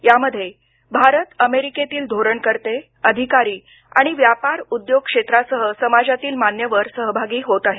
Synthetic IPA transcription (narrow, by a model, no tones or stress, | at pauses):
jaməd̪ʱːje | bʱaɾət̪əmeɾiket̪iːld̪ʱoɾəɳkəɾt̪e | əd̪ʱikaɾiː | a̰ɽ̃iʋjapaɾud̪joɡ̚kʂet̪ɾasəɦəsəmad͡ʑat̪iːlmanjəʋəɾsəɦəbʱaɡiːɦot̪aɦe